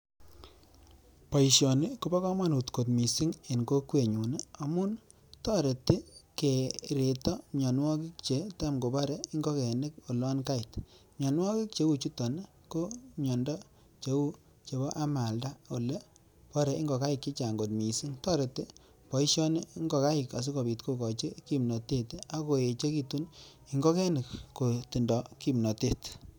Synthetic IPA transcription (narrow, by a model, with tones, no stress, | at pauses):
pɔ˨i˨ʃjɔ˨nɪ˦ko˦bɔ˦kɔ˦mwa˦˨nu˨tko˨tmi˨si˦ŋe˨nko˦kwe˨ɲu˨ne˦a˨mʊ˦n | tɔ˦ɾe˨ti˦ke˨ɾe˨tɔ˦mɔ˨nwɔ˦ki˦kt͡ʃe˨˦ta˦mɡo˨bɔ˦ɾe˨i˦ŋɡɔ˦ke˨ne˦ko˨lɔ˦nka˦ɪ˨t | mɲɔ˨nwɔ˦ki˦k̚t͡ʃe˨˦wu˨t͡ʃu˦tɔ˨n˦ | ko˦ɲɔ˨ndɔ˦ | t͡ʃe˨˦wu˦ | t͡ʃe˨bɔ˦ʔa˦ma˨lda˦o˨le˦ | pɔ˦ɾɛ˨i˦ŋɡɔ˨ka˦jɪ˨kːi˦t͡ʃa˨ŋɡo˨tmi˨si˦ŋtɔ˦ɾe˨te˦ | pɔ˨i˦ʃjɔ˦ne˦i˦ŋɡɔ˨ka˦jɪ˨ka˨s̬i˦kɔ˨bi˨tko˦kɔ˨t͡ʃe˦ki˦mnɔ˨te˦ta˦ko˨e˨t͡ʃe˦ki˦tu˦n | i˨ŋɡɔ˦kɛ˦nɪ˨kko˨ti˨ndɔ˨ki˦mnɔ˨te˦t